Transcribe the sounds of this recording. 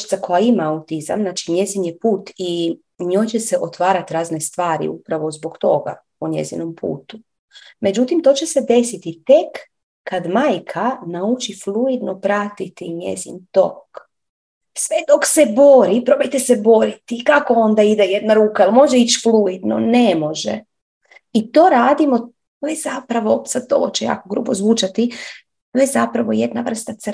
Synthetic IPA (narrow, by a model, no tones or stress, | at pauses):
t̪sako̞jaimaaut̪iza̰mnaːt͡ʃiɲe̞zinjepuːt̪i | ɲoːjt͡ɕe̞se̞ʔot̪ʋaːɾat̪ɾaːzne̞st̪ʋaːɾḭṵpɾaʋo̞zboɡt̪o̞̰ɡa̰ | uɲe̞̰zinompṵːt̪u | me̞d͡ʑut̪imt̪o̞ːt͡ɕe̞se̞d̪e̞sit̪it̪ekː | ad̪maːjkʰanaut͡ʃifluid̪nopɾat̪it̪iɲḛzḭnt̪ok | sʋed̪okse̞bo̞ɾipɾo̞bajt̪esebo̞ɾit̪ikakoo̞nd̪aid̪ejed̪naɾuːkailmo̞ʒeit͡ʃfluid̪no̰nemo̞ʒḛ | it̪o̞ːɾaːd̪imo̞ | ʋezapɾaʋo̞sad̪̚t̪o̰ot͡ʃeja̰ːkoɡɾṵːbozʋuːt͡ʃat̪i | ʋezapɾaʋo̞jed̪naʋr̩st̪at̪s